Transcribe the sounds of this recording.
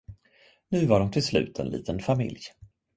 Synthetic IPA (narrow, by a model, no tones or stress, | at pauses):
nʉ̟ːvaɖɔmt̪ʰɪlslʉ̟̰ːt̪ʰɛ̰nlḭːt̪ənfamɪ̰lj